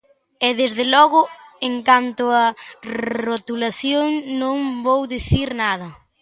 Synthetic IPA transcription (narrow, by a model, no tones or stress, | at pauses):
ɛðezðelɔɣʊeŋkant̪ʊɐ | rot̪ulaθjoŋnõŋbowðiθiɾnað̞ɐ